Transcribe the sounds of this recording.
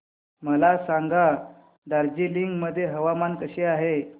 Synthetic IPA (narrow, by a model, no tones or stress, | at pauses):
məlasaŋɡa | d̪aɾd͡ʑiliŋɡməd̪ʱːjeɦəʋamant̪əɕeaɦe